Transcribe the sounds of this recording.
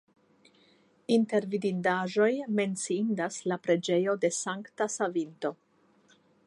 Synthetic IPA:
inte̞ɾvidindaʒo̞jme̞nt͡siindaslapɾe̞d͡ʒe̞jo̞de̞saŋktasavinto̞

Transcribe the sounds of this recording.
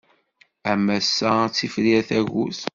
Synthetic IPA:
æmæsːæt͡sːifɾiæθæʝṵθ

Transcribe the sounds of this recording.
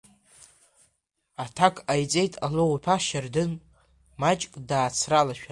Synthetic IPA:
atʰakʼʰajt͡sʼe̞jtʼalowpʰaʃardɨn | mat͡ʃʼkʼdaːt͡sʰralaʃᶣa

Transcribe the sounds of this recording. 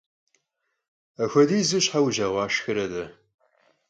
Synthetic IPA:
ɐxʷɐdiːzuɕħawʒaːʁʷɑːʃxɨɾɐdɐ

